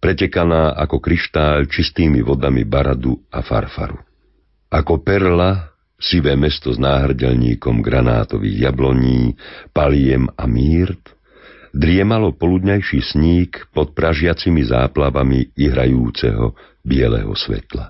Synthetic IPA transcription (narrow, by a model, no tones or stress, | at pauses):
pɾɛcɛkanaːʔakɔkɾiʃt̪aːlt͡ʃist̪iːmiʋɔd̪amḭbaɾad̪uafa̰ɾfa̰ɾu | akɔpɛɾla | siʋɛːmɛst̪ɔznaːɦr̩ɟɛʎɲiːkɔmɡɾana̰ːt̪ɔʋḭːɣjablɔɲiːpalɪɛmamiːɾt̪ | d̪ɾɪɛmalɔpɔlud̪ɲajʃiːsɲiːkpɔt̪̚pɾaʒɪat͡simiza̰ːplaʋamiiɦɾa̰juːt͡sɛ̰ɦɔ̰ | bɪɛlɛ̰ɦɔ̰sʋɛ̰t̪la